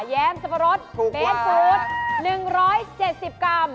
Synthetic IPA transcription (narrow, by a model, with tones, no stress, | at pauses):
jɛː˦˧˥msa˧pʰa˧ɾo˦˥t̪̚ʰːe˨˧˥npoː˨˦t̪̚nɯ˨˩ŋɾɔː˦˥jt͡ɕe˨˩t̪̚si˨˩p̚kaː˧˩m